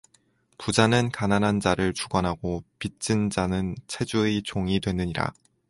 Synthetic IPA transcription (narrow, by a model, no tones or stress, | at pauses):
pud͡ʑanɯnkananɦand͡ʑaɾɯɭt͡ɕuɡwanɦaɡopit͡ɕ͈ɯnd͡ʑanɯnt͡ɕʰe̞d͡ʑuet͡ɕoŋidwe̞nːɯɲiɾa̰